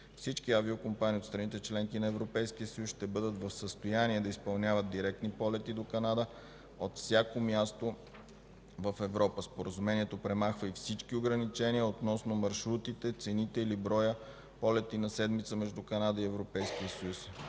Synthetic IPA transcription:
fsit͡ʃkiaviokompaniot̪st̪ɾɐnit̪ɛt͡ʃlɛŋkinɐɛvɾopɛjskijəsəjusʃt̪ɛbɤd̪ət̪vɐfsəst̪ojaniɛd̪ɐispɐlˠnʲjavət̪̚d̪iɾɛk̚t̪nipɔlɛt̪id̪okɐnad̪ə | ot̪fsʲjakomʲjast̪o | vəfɛvɾɔpəspoɾəzumɛniɛt̪opɾɛmaxvəifsit͡ʃkioɡɾɐnit͡ʃɛniəot̪nɔsnomɐɾʃɾut̪it̪ɛt̪sɛnit̪ɛilibɾɔjə | pɔlɛt̪inɐsɛd̪mit̪səmɛʒd̪ukɐnad̪əiɛvɾopɛjsk̟iəsəjus

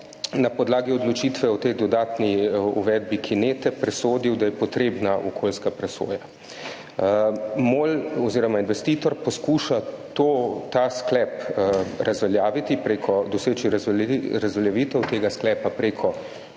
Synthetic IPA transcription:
napɔd̪laːɡiɔd̪lɔt͡ʃiːt̪ʋɛɔt̪ejd̪ɔd̪aːt̪niuʋɛd̪̚bikʰineːt̪ɛpɾɛsoːd̪iwd̪ajɛpɔt̪ɾeːbnaʔɔkʰolskapɾɛso̰ːja | molɔziːɾɔmainʋɛst̪iːt̪ɔɾpɔskuːʃat̪ot̪asklɛpɾʔazʋɛljaːʋit̪ipɾeːkʰɔd̪ɔseːt͡ʃiɾazɾazʋɛljaʋiːt̪ɛwt̪eːɡasklɛːpapɾeːkʰɔ

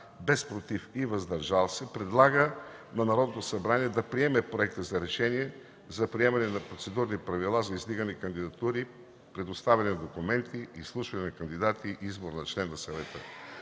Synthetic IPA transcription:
bɛspɾot̪ifivɐzd̪ɐɾʒalˠsɛpɾɛd̪lˠaɡənɐnɐɾɔd̪not̪osɐbɾaniɛd̪ɐpɾiɛmɛpɾoɛk̚t̪əzɐɾɛʃɛniɛ | zɐpɾiɛmɐnɛnɐpɾot̪sɛd̪uɾnipɾɐvilˠazɐizd̪iɡənikɐnd̪id̪ɐt̪uɾi | pɾɛd̪ost̪avɛnɛnɐd̪okumɛnt̪iʔislˠuʃvɐnɛnɐkɐnd̪id̪at̪iʔizboɾnɐt͡ʃlɛnːɐsɐvɛt̪ə

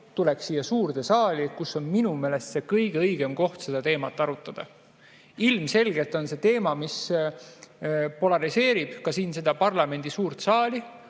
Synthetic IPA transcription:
t̪ulekssiːjɑsuːrd̪̥esɑːlʲikusːo̞nminume̞ːle̞st̪se̞kɤjɡ̥eɤjɡ̥e̞mko̞ht̪se̞d̪̥ɑt̪e̞ːmɑt̪ːˑɑɾut̪ːˑɑd̪̥ɑ̰ | ilmse̞lɡe̞lt̪ːˑo̞nse̞t̪e̞ːmɑmis | po̞lɑɾise̞ːɾib̥kɑsiːnse̞d̪ɑpɑrlɑme̞nʲd̪̥isuːrt̪sɑːli

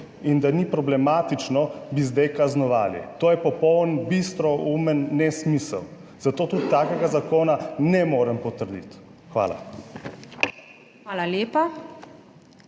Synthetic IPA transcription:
ind̪anipɾɔblɛmaːt̪it͡ʃnɔbizd̪ajkaznɔʋa̰ːlḭt̪oːjɛpɔpɔwənbist̪ɾɔumənːɛsmiːsə̰w | z̥at̪oːt̪ut̪t̪aːkɛɡazakoːnanɛmoːɾəmpɔt̪əɾd̪ḭt̪xʋa̰ːla̰ | xʋaːlaljeːpa

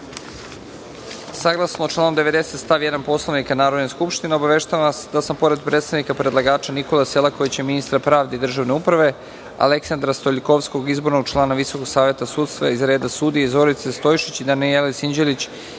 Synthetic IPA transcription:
saɡlˠasnot͡ʃlˠaːnomd̪e̞ʋe̞d̪e̞se̞t̪st̪aʋjed̪anpo̞slˠaʋnikanaːɾo̞d̪neskupʃt̪ineo̞baʋe̞ʃt̪aʋsd̪asampo̞ɾe̞d̪̚pɾet̪st̪aʋnikapɾed̪lˠaɡaːt͡ʃaniko̞laselako̞ʋit͡ɕjeminist̪ɾapɾaːʋd̪eid̪r̩ʒaʋne̞upɾaʋe̞ | a̰le̞ksand̪ɾast̪o̞ʎʲiko̞ʋsko̞ɡizbo̞ɾno̞ɡt͡ʃlˠaːnaʋiso̞ko̞ɡsaːʋje̞t̪asuːt̪st̪ʋa̰izɾeːd̪asuːd̪ijeizo̞ɾit̪se̞st̪o̞jʃit͡ɕid̪anielesiɲd͡ʑelit͡ɕ

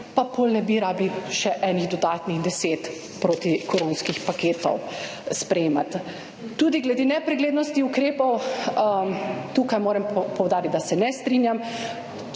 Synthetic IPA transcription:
papolnɛbiɾaːbliʃɛʔɛniɣd̪ɔd̪aːt̪nixd̪ɛseːt̪ | pɾoːt̪ikoɾonskixpakeːt̪ɔ̰wspɾɛjeːmat̪ː | uːd̪iɡlɛd̪eːnɛpɾɛɡleːd̪nɔst̪iukɾeːpɔw | t̪uːkajmoːɾɛmpɔwd̪aːɾit̪d̪asɛnɛst̪ɾinjam

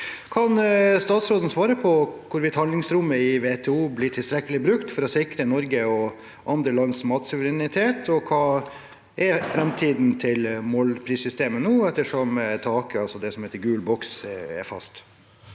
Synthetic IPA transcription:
kʰɑnst̪ɑːt̪sɾoːd̪ən̩sʋɑːɾəpʰɔkʰʊɾʋɪt̪hɑnlɪŋsɾʊmːəɪʋeːt̪ʰɛːuːblɪʈʰɪlst̪ɾɛkːəlɪbɾʉkt̪fɔɾɔsɪkɾənɔɾɡəɔ | ʔɑnd̪ɾəlɑnːsmɑːt̪sʊʋəɾɛnɪt̪ʰeːt̪ʰɔkʰɑː | ʔɛfɾɛmt̪ʰiːd̪n̩t̪ʰɪlmoːlpʰɾiːsʏst̪eːmənuːɛt̪ːəʂɔmt̪ʰɑːkəɑlsɔd̪ɛsɔmheːt̪əɾɡʉːlbɔksɛ̰ɾfɑ̰st̪

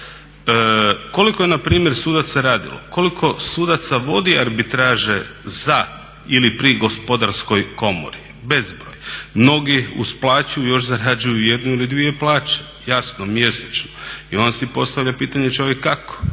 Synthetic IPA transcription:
ko̞likojenapɾiːmjeɾsuːd̪at̪saɾaːd̪ḭlo̞̰ko̞likʰo̞suːd̪at̪saʋo̞d̪iaɾbit̪ɾaːʒeza | ilipɾiɡo̞spo̞d̪aɾsko̞jko̞mo̰ɾi | be̞zbɾoːjmno̞ɡiṵsplˠaːt͡ʃujujo̞ʃzaɾad͡ʒujuje̞d̪nuilid̪ʋie̞plˠaːt͡ɕḁ | jasnomje̞set͡ʃnoio̞nasipo̞st̪aʋʎapiːt̪aɲet͡ʃo̞ʋjekːako̥

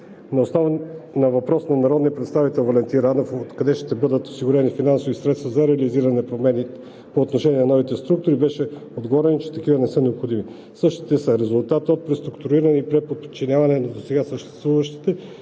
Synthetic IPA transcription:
nɐosnɔvnɐvɐpɾɔsnɐnɐɾɔd̪nijəpɾɛt̪st̪avit̪ɛlˠvolɛnt̪iɾanofot̪kɐd̪ɛʃt̪ɛbɤd̪ət̪o̥siɡʊɾɛnifinansovisɾɛt̪st̪vɐzɐɾɛɐliziɾɐnɛpɾomɛni | poːt̪noʃɛnʲiɛnɐnɔvit̪ɛst̪ɾuk̚t̪ʊɾibɛʃɛod̪ɡovɔɾɛnit͡ʃɛ̥t̪ɐkivənɛsɤnɛopxod̪imi | sɤʃt̪i̥t̪ɛsəɾɛzʊlˠt̪at̪ot̪̚pɾɛst̪ɾukt̪uɾiɾɐniːpɾɛpot̪t͡ʃːinʲjavɐnɛnɐd̪osɛɡasəʃt̪ɛst̪vuvɐʃt̪i̥t̪ɛ

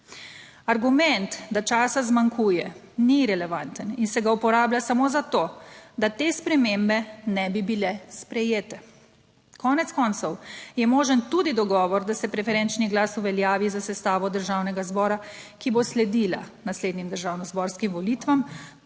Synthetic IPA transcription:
aɾɡumɛnt̪d̪at͡ʃaːsazmaŋkʰuːjɛ | niɾɛlɛʋant̪əninsɛɡaupɔɾaːbljasamozat̪od̪at̪espɾɛmembɛnɛbibilɛspɾɛjeːt̪ɛ | kʰɔːnɛt̪skɔnt̪sɔwjɛmoːʒənt̪ud̪id̪ɔɡɔːʋɔɾd̪asɛpɾɛfɛɾɛnt͡ʃniɡlasuʋɛljaːʋizasɛst̪aːʋɔd̪əɾʒaːwnɛɡazbɔːɾakiboslɛd̪iːlanasleːd̪nimd̪əɾʒaːwnɔzbɔɾskimʋɔlit̪ʋam

